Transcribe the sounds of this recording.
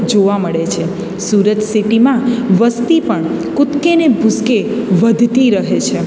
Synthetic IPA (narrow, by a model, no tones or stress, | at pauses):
d͡ʒoʋaməɭet͡ʃʰe | suɾət̪siʈimãʋəst̪ipəɳkʊt̪kenebʱʊskeʋəd̪ʱt̪iɾəɦet͡ʃʰe